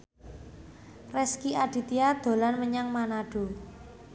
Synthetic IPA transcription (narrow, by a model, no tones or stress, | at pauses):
rɛskiʔaɖ̪̥i̤t̪iad̪̥o̤lanməɲaŋmanaɖ̥o̤